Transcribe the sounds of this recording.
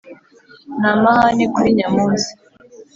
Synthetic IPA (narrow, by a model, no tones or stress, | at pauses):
namahanikuɾiɲamuːnzi̥